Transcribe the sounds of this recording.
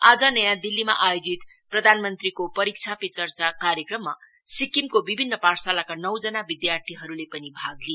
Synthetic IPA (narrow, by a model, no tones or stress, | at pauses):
ad͡zʌnʌjãd̪ilːima̰ʔajod͡zit̪ | prʌd̪ʱanmʌnt̪rikopʌɾik̚t͡sʰapet͡sʌrt͡sakaɾjekrʌmːa | sikimkobibʱinːʌparsalakanʌwd͡zʌnabid̪jart̪ʰiɦʌɾulepʌnibʱaɡle